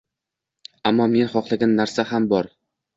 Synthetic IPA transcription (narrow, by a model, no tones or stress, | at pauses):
amːɒme̞nχɒqlˠaɡʲanːaɾsahambɒɾ